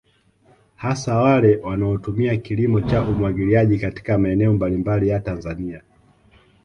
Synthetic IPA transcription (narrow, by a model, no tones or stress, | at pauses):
hasawalɛwanaɔtumiakilimɔt͡ʃaʔumwaɡiliaʄikati̥kamaɛnɛɔmbalimbalijatanzania